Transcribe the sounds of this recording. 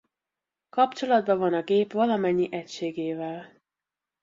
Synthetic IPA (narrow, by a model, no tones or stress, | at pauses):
kɒpt͡ʃo̞lɒd̪bɒvɒnɒɡeːpʋɒlɒmɛɲːiʔɛcʃeːɡeːvɛl